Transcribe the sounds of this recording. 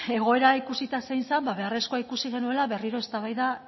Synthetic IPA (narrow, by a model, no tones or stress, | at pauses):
e̞ɣ̞o̞e̞ɾaikusit̪asejnsambaβe̞are̞skoaikusiɣe̞nue̞laβe̞riɾo̞e̞st̪aβajða